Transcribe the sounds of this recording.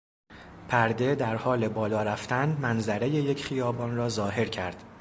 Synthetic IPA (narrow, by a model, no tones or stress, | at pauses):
pʰæɾd̪e̞d̪æɾhɒːle̞bɒːlɒːɾæft̪ænmænzæɾe̞je̞jecʰχijɒːbɒːnrɒːzɒːɦe̞ɾcʰæɾd̪̥